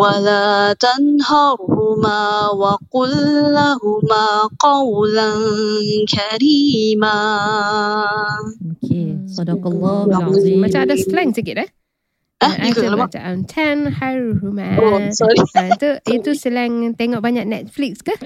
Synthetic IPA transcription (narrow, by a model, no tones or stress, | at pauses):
walaːt̪anhɑɾhʊmaːwaqʊlːaɦumaqɑwlankʰaɾiːma | okʰesɔdɔkɑlːɔmat͡ʃamadaslɛ̃ŋsəkit̪a | aiklmat͡ʃa̰ntʰɛ̃nhaɹhumasɔɾit̪uit̪usəlɛ̃ŋt̪ɛŋɔʔbaɲaʔ̚nɛt̪̚flikska